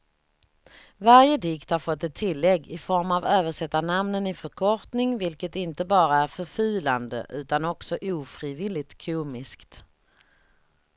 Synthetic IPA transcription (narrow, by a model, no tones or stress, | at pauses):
vaɾjəd̪ɪkt̪haɾfɔt̪ːɛt̪ʰːɪlːɛɡːɪfɔɾmavøːvəʂɛt̪ːanamnənɪfœɾkʰɔʈnɪŋvɪlkət̪ɪnt̪əbɑːɾaæɾfœɾfʉ̟ːland̪ə̰ʔʉ̟ːt̪anɔksɔʔuːfɾiːvɪlːɪt̪kʰuːmɪskt̪